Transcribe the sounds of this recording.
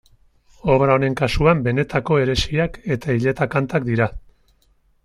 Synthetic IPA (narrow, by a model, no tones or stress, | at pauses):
o̞βɾaone̞ŋkasuambe̞ne̞t̪ako̞e̞ɾe̞siake̞t̪aiʎe̞t̪akant̪akd̪iɾa